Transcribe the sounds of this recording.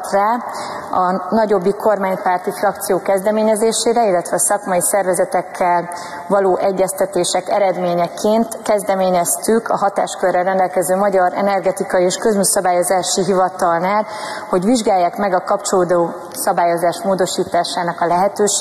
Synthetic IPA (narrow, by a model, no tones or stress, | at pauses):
t̪raː | ɒnɒɟo̞bːiko̞rmaːɲpaːrt̪ifrɒk̚t̪sijoːkɛzd̪ɛmeːɲɛzeːʃeːɾɛilːɛt̪ʋɛːsɒkmɒjisɛrvɛzɛt̪ɛkʰːɛl | vɒloːʔɛɟːɛst̪ɛt̪eːʃɛkɛɾɛd̪meːɲɛkʰeːnt̪kɛzd̪ɛmeːɲɛst̪ykʰɒ̰ɦɒt̪a̰ːʃkørːɛrːɛnd̪ɛlkɛzøːmɒɟɒɾɛ̰nɛrɡɛt̪ikɒjieːʃkøzmyːsɒbaːjo̞zaːʃiɦivɒt̪ɒlnaːl | ho̞ɟʋiʒɡaːjːaːkmɛɡɒkɒpt͡ʃoloːd̪oː | sɒbaːjo̞zaːʃmoːd̪o̞ʃiːt̪aːʃaːnɒkɒlɛɦɛt̪øːʃ